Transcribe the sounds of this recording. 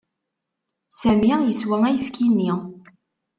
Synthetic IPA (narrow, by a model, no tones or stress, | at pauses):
sæmajəswæŋæjəfkʰinːi